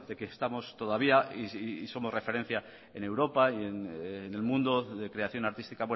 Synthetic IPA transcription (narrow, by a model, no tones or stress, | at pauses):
d̪ekest̪amo̞st̪o̞ðaβ̞iaiso̞more̞fe̞ɾe̞n̟θja | e̞ne̞wɾo̞paienne̞lmũnd̪oðe̞kɾe̞aθjo̞naɾt̪ist̪ikaβwe